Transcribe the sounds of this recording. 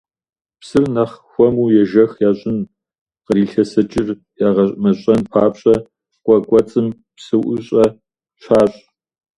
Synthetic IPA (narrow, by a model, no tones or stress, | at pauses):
psɨrnɐχxʷɔmuːjɛʒɐxjaːɕʼɪn | qəɾiːɬɐsɐt͡ʃʼɪr | jaːʁɐɕʼmɐɕʼɐnpʰaːpɕʼɐ | qʷʼɔkʷʼɔt͡sʼɨm | psɨwʔʊɕʼɐ | ɕʰaːɕʼ